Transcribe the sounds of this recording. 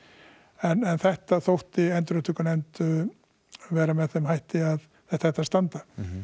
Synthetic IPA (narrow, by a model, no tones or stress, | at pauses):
ɛnɛnθɛht̪aθowht̪ɪɛnt̪ɾʏt̪ʰʏkanɛnt̪ʏ | vɛːɾamɛðθɛmhajht̪ɪað | θɛht̪aθɛht̪ast̪ant̪a